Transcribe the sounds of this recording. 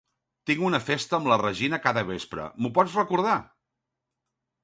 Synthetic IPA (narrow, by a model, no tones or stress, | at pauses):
t̪iŋɡunəfest̪əːmlərəʒinəkaðəβespɾə̰mupɔt͡srəkuɾð̞a